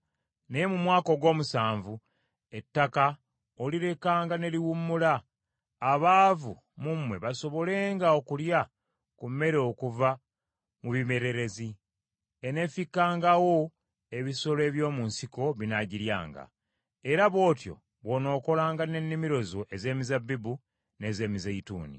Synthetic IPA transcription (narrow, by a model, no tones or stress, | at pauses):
nejemumwaːko̞ɡwo̞ːmusaːɱvu | e̞tːaka | oliɾe̞kaːŋɡane̞liwumːulaː | βaːvu | mumwe̞βaso̞βo̞le̞ːŋɡaokulja | kume̞ɾeokuva | muβime̞ɾe̞ɾe̞zi | ene̞fikːaːŋɡawo̞ | e̞βiso̞le̞ːβjo̞ːmunsiko̞βinaɟiɾja̰ːŋɡa̰ | e̞ɾaβo̞ːtjo̞̰ | βono̞ːko̞laːŋɡane̞nːimiɾo̞zo̞ʔe̞ze̞ːmizabːibu | ne̞ːze̞ːmizaitṵːnḭ